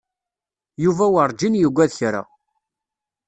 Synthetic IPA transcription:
juvæwəɾˤd͡ʒinjəɡʷæðçɾa̰

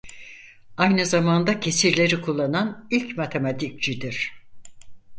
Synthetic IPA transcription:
ajnɯzamand̪acʰe̞siɾlʲe̞ɾikʰulˠːananilʲcmat̪ʰemat̪ʰik̚t͡ʃid̪iɾ̥

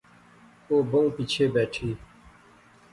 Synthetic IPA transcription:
oːbʊŋɡpit͡ɕʰeːbɛːʈʰiː

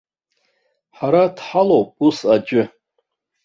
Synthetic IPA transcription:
ħaɾadħalowpʼusad͡ʒʷʼʏ

